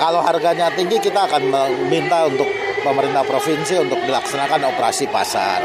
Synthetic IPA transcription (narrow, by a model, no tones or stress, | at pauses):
kaloɦarɡaɲat̪iŋɡikit̪aːkanməmint̪aunt̪ʊk̚pəməɾint̪ahpɾofinsiunt̪ʊk̚dilaksanakanopəɾa̰sipa̰sa̰r